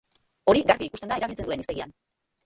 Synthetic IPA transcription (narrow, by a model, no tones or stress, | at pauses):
o̞ɾiɡarβiikust̪end̪aeɾaβilt͡senue̞niseɣia̰n